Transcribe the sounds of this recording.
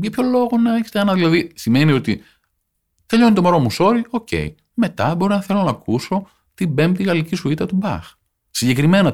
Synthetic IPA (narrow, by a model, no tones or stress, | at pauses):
ʝɐpço̞lo̞ɣo̞nɐeçe̥t̪eɐnɐðilɐðisime̞nio̞t̪i | t̪e̞ʎo̞nit̪o̞moɾo̞muso̞ɾio̞ce̞̰j | me̞t̪ɐbo̞ɾinɐθe̞lo̞nɐkuso̞ | t̪ibe̞mt̪iɣɐlicisuit̪ɐt̪ubɐ̰x | siɲɟe̞kɾime̞nɐ